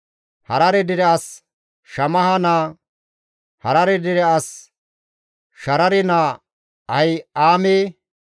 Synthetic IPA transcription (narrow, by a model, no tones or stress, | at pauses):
hɐɾɐɾɛd̪ɪɾɛɐs | ʃɐmɐhɐnaː | hɐɾɐɾɛd̪ɪɾɛɐs | ʃɐɾɐɾɪnaː | ɐjaːmeː